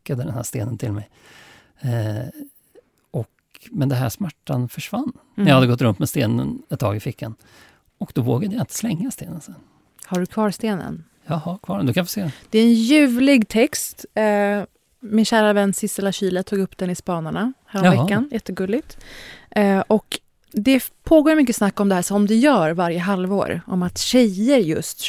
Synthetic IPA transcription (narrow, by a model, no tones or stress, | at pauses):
kːad̪əd̪ɛnhæ̰ʂst̪ḛːnənt̪ʰɪlmɛj | ɔk | mɛnd̪ɛnɦæ̰ʂmæʈːanfœʂvanːnɛjɑhad̪ːəɡɔt̪ːɾɵnmt̪mɛst̪ḛːnə̰nɛt̪t̪ːʰɑːɡɪfɪkʰːan | ɔkd̪̥ɔvo̰ːɡad̪əjaɪnt̪ə̥slɛŋːast̪eːnənsɛn | haɖɵkʰvɑːɾst̪eːnə̰n | jɑhakʰvɑːɖɛnd̪ɵkʰanfɔʂseːd̪d̪̥ɛæɾɛnjʉ̟ːvlɪɡt̪ʰɛkst̪ː | mɪnɕæːɾavɛnːsɪst̪ːɛlaɕiːlət̪ʰuːɡɵpːd̪ɛnɪspɑːnaɳahæːɾɔmvɛkːanjɛt̪ːəɡɵlːɪɡ̚t̪ː | ʔɔk | d̪ɛpʰoːɡoːɾmʏkːəsnakːɔmd̪ɛhæːʂɔmd̪ɛjœːɾvaɾjəɦalvo̰ːɾʔɔ̰mat̪ɕɛjəɾjɵ̰st̪